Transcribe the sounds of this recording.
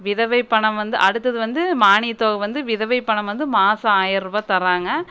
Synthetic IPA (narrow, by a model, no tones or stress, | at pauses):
ʋɪðɐʋɐɪpːɐɳɐmʋɐnd̪ɯ̰ʔɐɽɯt̪ːɐðɯʋɐnd̪ɯmaːɳit̪ːoːɣɐʋɐnd̪ɯʋɪðɐʋɐɪpːɐɳɐmʋɐnd̪ɯmaːsɐaːjɐɾʋɐt̪ɐɾaːŋɡɐ